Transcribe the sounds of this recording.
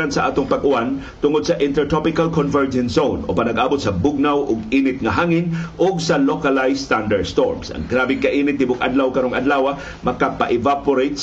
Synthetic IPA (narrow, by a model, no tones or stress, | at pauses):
ansɐaʔaːt̪ʊŋpaɡʔʊan | t̪ʊŋʊd̪̚saʔɪ̃nt̪ɛɹt̪ɔpɪkalkonvɛɹd͡ʒɛnsownopanaɡʔaːbʊt̪̚sɐbʊɡ̚nawʔʊɡiːnɪt̪̚ŋaɦaŋɪnʔʊɡ̚salokalajst̪and̪aɹdst̪oɹmsʔa̰ŋɡɾabɪŋkaʔiːnɪt̪̚d̪ɪbʊkʔa̰d̪lawkaɾoŋadlaːwa | mɐkapaʔɪvapʊɾejt̪̚s